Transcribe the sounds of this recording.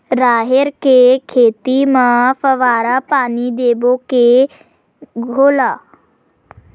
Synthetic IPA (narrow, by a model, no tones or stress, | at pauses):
ɾaːɦeɾkekʰeːt̪imə̃fəʋaːɾapaːnid̪eːboke | ɡʱoːlaː